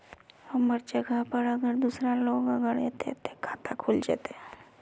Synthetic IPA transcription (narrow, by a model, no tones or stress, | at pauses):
ɐməɾd͡ʒəɡʱapəɾəɡəɾd̪uːsɾaloːɡəɡəɾet̪ḛt̪ekʰat̪akʰuld͡ʒa̰ːt̪e